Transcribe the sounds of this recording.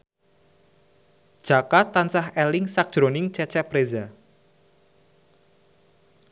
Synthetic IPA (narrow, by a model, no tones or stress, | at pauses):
d̥ʒ̥a̤kat̪ːansaɦɛlɪŋsak̚d̥ʒ̥ɾonɪŋt͡ʃɛt͡ʃɛpɾeza